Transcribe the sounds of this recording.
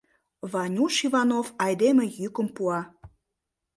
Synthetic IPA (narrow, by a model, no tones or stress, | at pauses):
vɑnʲuʃivɑnofɑjd̪emĕjykə̆mpuɑ